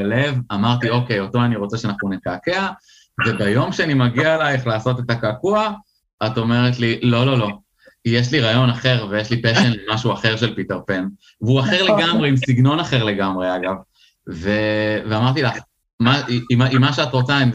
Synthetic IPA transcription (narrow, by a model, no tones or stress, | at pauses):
levamaʁt̪io̞ke̞jo̞to̞aniʁot͡seʃeanaχnunekake̞a | ve̞bajo̞mʃeanimaɡialajeχlaːso̞te̞takaːkua | ato̞me̞ʁetlilo̞lo̞lo̞ | jeʃ̬liʁajo̞naχe̞ʁvejeʃlipeʃenlemaʃuaχe̞ʁʃe̞lpiteʁpen | vuaχe̞ʁleɡamʁeimsiɡno̞naχe̞ʁle̞ɡamʁe̞aɡav | ve̞veamaʁt̪ilaχ | mamaimːaʃeatʁo̞t͡saim